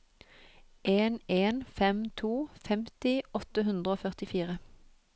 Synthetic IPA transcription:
ʔeːneːnfɛmt̪ʰuːfɛmt̪ɪɔt̪əɦʉnd̪ʁəoːfœʁt̪ɪfiːʁə

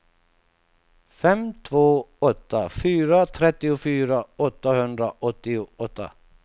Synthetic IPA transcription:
fɛmt̪ʰvoːɔt̪ːafyːɾat̪ʰɾɛt̪ːɪʊfyːɾaɔt̪ːahɵnd̪ɾaʔɔt̪ːɪʊɔt̪ːa̰

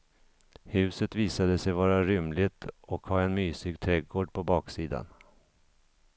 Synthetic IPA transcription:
hʉ̟ːsət̪viːsad̪əsɛjvɑːɾaɾʏmlɪɡt̪ʰɔkhɑːɛnmyːsɪɡt̪ʰɾɛɡoːɖpʰɔbɑːksiːd̪a̰n

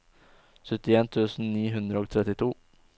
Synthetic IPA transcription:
sœt̪ɪeːnt̪ʰʉːsn̩niːɦʉnd̪ɾəɔk̚t̪ʰɾɛt̪ːɪt̪ʰuː

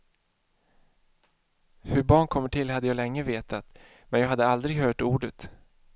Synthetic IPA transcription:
hɵɾbɑːɳkʰɔmːəʈʰɪlɦad̪ːəjɑːlɛŋːəveːt̪at̪ | mɛnjɑːɦad̪ːəald̪ɾɪɡɦœːʈuːɖət̪

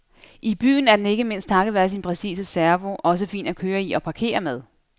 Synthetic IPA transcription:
ʔib̥y̰ːn̩æɐd̥ene̝ɡ̥əme̝n̰sd̥t͡sʰɑ̈ɡəð̩ˠʋæɐsinpʰʁɛsḭːsəsæɐʋo̝ʔɒ̽s̬əfḭːnɒkʰøːɐiʔɒ̽pʰɑ̈kʰe̝̰ːɐmeð̞ˠ

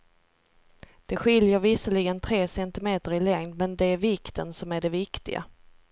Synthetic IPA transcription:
d̪̥ɛɧɪljəɾvɪsəlɪɡənt̪ʰɾeːsɛnt̪ɪmeːt̪əɾɪlɛŋd̪mɛnd̪ɛæɾvɪkt̪ʰənsɔmæɖɛvɪkt̪ɪ̰ɡa̰

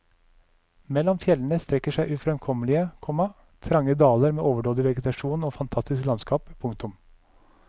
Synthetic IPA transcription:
mɛlːɔmfjɛln̩əst̪ɾɛkːəʂæɪʔʉfɾɛmkʰɔməlɪəkʰɔmɑ | t̪ʰɾɑŋəd̪ɑːləɾmeːʔoːʋəɖoːd̪ɪʋɛɡət̪ɑʂuːnoːfɑnt̪ʰɑst̪ɪsklɑnskɑːppʰːʊŋk̚t̪ʊm

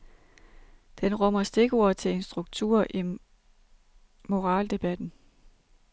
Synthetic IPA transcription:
d̥enʁɔm̰ɐsd̥e̝ɡ̥o̝ɐt͡sʰe̝e̝nsd̥ʁuɡ̥̚t͡sʰṵɐ̰ʔi | mo̝ʁɑ̈ːld̥e̝b̥æd̥n̩

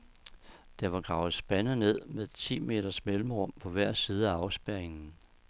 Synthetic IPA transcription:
d̥æʋɑ̈ɡ̥ʁɑ̈ʊð̩ˠsb̥ænəne̝ð̞̰ˠmeðt͡sʰḭːme̝̰ːɾ̥ɐsmelm̩ʁɒmpʰɒ̽ʋæɐ̰siːð̞ˠæɑ̈ʊsb̥æɐeŋn̩

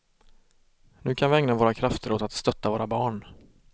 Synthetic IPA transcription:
nʉ̟ːkʰanvɪɛŋnavoːɾakʰɾaft̪əɾoːt̪at̪st̪œt̪ːavoːɾabɑːɳ

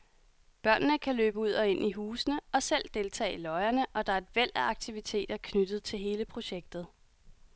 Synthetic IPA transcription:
b̥ɶɐ̰nnəkʰæløːb̥əuð̞̰ˠɒ̽e̝n̰ʔiɦuːsənəɒ̽sel̰d̥e̝lt͡sʰɛ̰ːilɒ̽ɪɐnəʔɒ̽d̥ɑ̈æɐe̝d̥ʋel̰æɑ̈ɡ̥̚t͡sʰiʋit͡sʰe̝̰ːd̥ɐkʰnyd̥ð̩ˠt͡sʰe̝lɦe̝ːləpʰʁo̝ɕeɡ̥̚d̥ð̩ˠ

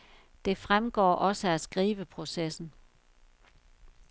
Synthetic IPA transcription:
d̥e̝fʁamɡ̥ɒ̰ːʔɒ̽səæsɡ̥ʁiːʋəpʰʁo̝sesn̩

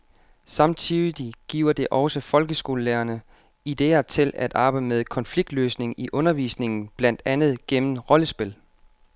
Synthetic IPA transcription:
sɑ̈mt͡sʰiðˠiɡ̥ḭʊɐd̥e̝ʔɒ̽ʊsəfɒ̽lɡ̥əsɡ̥o̝̰ːləleːɐnə | id̥e̝̰ːɐt͡sʰe̝læd̥ɑ̈ːb̥äɪdmeð̞ˠkʰɒ̽nfliɡ̥̚d̥løːsne̝ŋiʔɔ̽nɐʋḭːsne̝ŋn̩b̥læn̰d̥ænð̩ˠɡ̥em̰n̩ʁɒ̽ləsb̥e̝l

